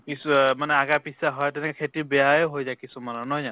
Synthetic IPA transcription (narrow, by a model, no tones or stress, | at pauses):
kismanɛaɡapisaɦɔjtɛnɛkɛkʰetibɛaeɦojzajkisumanɔnɔjza